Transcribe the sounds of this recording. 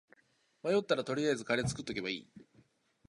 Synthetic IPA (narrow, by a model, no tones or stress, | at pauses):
majo̞t̪ːaɾat̪o̞ɾʲiazɨkaɾe̞t͡sɨ̥kɯ̟t̪ːo̞ke̞baḭː